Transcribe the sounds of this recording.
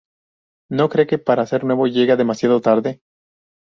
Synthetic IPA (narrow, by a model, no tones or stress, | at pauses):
no̞kɾe̞ke̞paɾaːse̞ɾnweβo̞ʝe̞ɣaðe̞masjaðot̪aɾðe̞